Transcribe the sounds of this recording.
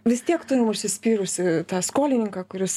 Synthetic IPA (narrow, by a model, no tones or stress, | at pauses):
ʋʲɪst̪ʲiɛkt̪ʊɾʲɪmʊʃʲsʲɪsʲpʲiːɾʊsʲɪt̪ɑːskoːlʲɪnʲɪŋkɑːkʊɾʲɪs